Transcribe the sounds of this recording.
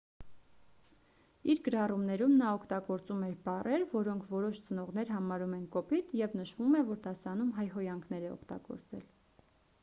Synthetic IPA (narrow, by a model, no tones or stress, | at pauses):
iɾɡəɾɑrumnɛɾumnɑɔkʰt̪ɑɡɔɾt͡sumɛɾbɑrʔɛɾvɔɾɔŋkʰvɔɾɔʃt͡sən̪ɔʁn̪ɛɾɦɑmɑɾumɛnkɔpit̪jɛvnəʃvumɛvɔɾd̪ɑsɑnumɦɑjɦɔjɑŋkʰnɛɾɛɔ̰kʰt̪ɑ̰ɡɔ̰ɾt͡sɛ̰l